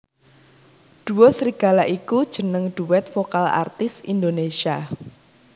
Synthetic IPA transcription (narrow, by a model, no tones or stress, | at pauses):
ɖ̪̥ṳwosɾiɡ̥a̤laʔikud̥ʒ̥ə̤nəŋɖ̪̥uwɛt̪fokala̰rt̪ɪsḭnd̪onesia